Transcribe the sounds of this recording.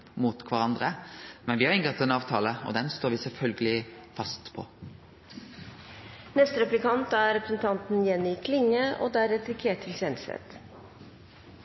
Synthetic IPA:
muːt̪kʰʋɑʁɑnd̪ʁəmɛnʋɪhɑɾɪŋɡət̪ɛnɑːʋt̪ʰɑːləɔ̰d̪ɛnst̪oːʋɪsɛlfœlɡəlɪfɑst̪pʰɔ̰ | nɛst̪əɾɛplɪkɑnt̪æɾɛpɾəsn̩t̪ʰɑnt̪n̩jɛnɪkʰlɪŋəʔo̰ːd̪æːɾɛt̪ɾɪkʰeːʈ̪ʰːɪlsɛnsɛ̰t̪

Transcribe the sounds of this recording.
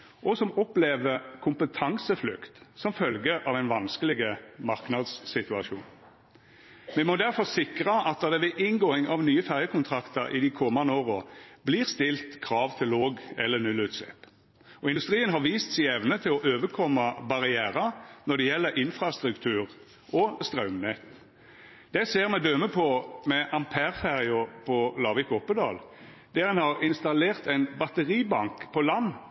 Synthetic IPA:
ʔɔsɔmɔpleːʋəkʰʊmpət̪ʰɑŋsəflʉkt̪sɔmfœlɡəʔɑʋæɪnʋɑnskəlɪɡəmɑʁknɑd̪sːɪt̪ʉɑʃṵːn | mɛmɔd̪æɾfɔʁsɪkʁɑʔɑt̪̚d̪ɑd̪ɛʋɛʔɪnɡoːɪŋʔɑʋnyːəfæʁjəkʊnt̪ʰʁɑkt̪əɾʔɪ̰d̪ɪkʰɔmɑnd̪əoːʁobliːʁst̪ɪlt̪kʰʁɑːʋt̪ʰɪlːoːɡɛ̰lːəɾnʉlːʉːt̪slɛ̰ːp | ɔɪnd̪ʉst̪ʁiːənɦɑʁʋiːst̪sɪɛʋnət̪ʰɪlɔʔøːʋəɾkʰɔmːɑbɑʁɪæːɾɑnɔd̪ɛjɛlːəɾʔɪnfɾʁɑst̪ʁʉkt̪ʰʉːʁ | ɔst̪ʁɑʉmnɛt̪ | d̪̥ɛseːʁmɛd̪œməpʰɔmɛʔɑmpʰæʁfæʁɪʊpʰɔlɑːʋɪkɔpːəd̪ɑ̰ːl | d̪̥æʁɛnhɑʁɪnst̪ɑleːʁt̪æɪnbɑt̪əʁiːbɑŋkpʰɔlɑnː

